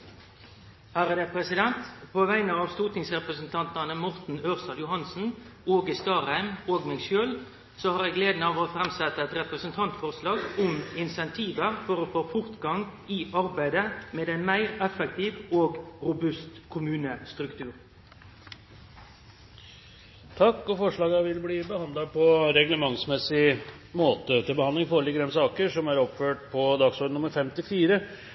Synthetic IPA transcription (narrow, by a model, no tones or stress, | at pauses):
hæːʁəd̪ɛpʰʁɛsɪd̪ɛnt̪pʰoːʋæɪnəɑːʋst̪uːt̪nɪŋsʁɛpʁəsn̩t̪ʰɑnt̪ɑnəmʊʁt̪n̩øːʁsɑljʊhɑnsn̩oːɡɪst̪ɑːʁæɪmoːɡmɛːɡʃøːl | soːhɑʁjɛɡleːd̪nəɑːʋoːfɾɛmsɛt̪ːəɛt̪ʁɛpɾəsənt̪ʰɑnt̪fɔʁslɑːɡʊmɪnsɛnt̪ʰiːʋəʁfɔʁoːfoːfʊʁt̪ɡɑŋ | iʔɑʁbæɪd̪əmeːd̪ɛɪnmæɪɾɛfɛk̚t̪ʰiːʋoːɡɾʊbʉst̪kʰʊmʉːnəst̪ɾʉkt̪ʰʉːɾ | t̪ʰɑkːɔfɔʂɭɑːɡɑʋɪlbliːbəhɑnd̪lɑpʰɔɾɛɡləmɑŋsmɛsɪmoːt̪ət̪ɪlbəhɑnd̪ɪŋfoːɾəlɪɡəd̪ɛnsɑːkəʂɔmæɾɔpføːʈpʰɔd̪ɑɡsɔɖ̪nʊməɾfɛmt̪ɪfiːɾə